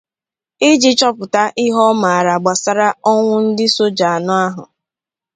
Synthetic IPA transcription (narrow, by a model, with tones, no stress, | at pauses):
ɪ˦d͡ʒi˦t͡ʃɔ˦pʊ˨ta˦ʔɪ˦ɦɔ˦ma˨a˨ɾa˨ɡ͡ba˨sa˦ɾa˦ɔ˦ŋʷʊ˦n̩˦dɪ˦so˦d͡ʒa˨a˨nʊ˦a˦ɦʊ̰˨